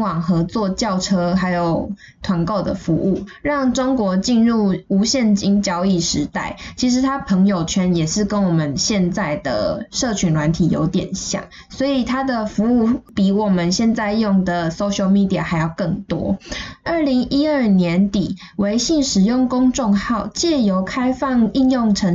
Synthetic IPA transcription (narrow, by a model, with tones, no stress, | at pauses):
wɑ˨˩ŋxɤ˧˥t͡swɔ˥˧t͡ɕjɑ˥˩ʊʈ͡ʂʰɤ˥ɦa˧˥ɪjo˨˩ʊ | t̪ʰwa˧˥nko˥˩ʊd̪ə̰˨˩fu˧˥ʔu˥˩ɻɑ˥˩ŋʈ͡ʂo˥ŋkwɔ˧˥t͡ɕi˥˧nɻu˥˩u˧˥ɕjɛ˥˨nt͡ɕi˥ŋt͡ɕjɑ˥ʊi˥˩ʂɻ̩˧˥t̪a˥˩ɪt͡ɕʰi˧˥ʂ̬ɻ̩˧˥t̪ʰa˥pʰə˧˥ŋjo˨˩ʊt͡ɕʰɥɛ˧˥njɛ˨˩ʂɻ̩˥˧kə˥nwɔ˨˩mə˨˦nɕjɛ˥˧nt͡sa˥˩ɪd̪ə̰˩ʂɤ˥˩t͡ɕʰy˧˥nlwa˧˦nt̪ʰi˨˩jo̰˧˥ʊt̪jɛ̰˨˩nɕjɑ̰˨˩ŋ | swɔ˧˥i˨˩t̪ʰa˥d̪ə˨˩fu˧˦u˥˩pi˧˩wɔ˨˩mə˨nɕjɛ˥˧nt͡sa˥˧ɪjʊ˥˩ŋd̪ə˩so˥ʊɕjo˧ʊmi˥˧˩t̪i˧˨ə˨˩xa˧˥ɪjɑ˥˧˩ʊkɤ˥˩ŋt̪wɔ̰˥ə˥˩li˧˥ŋi˦˥ə˥˩njɛ˧˦nt̪i˨˩ | we˧˥ɪɕi˥˩ŋʂɻ̩˨˩jʊ˥˩ŋkʊ˥ŋʈ͡ʂʊ˥˧ŋxɑ˥˧ʊt͡ɕjɛ˥˩jo˧˥ʊkʰa˥ɪfɑ˥˧ŋi˥˧njʊ˥˩ŋʈ͡ʂʰə˧˥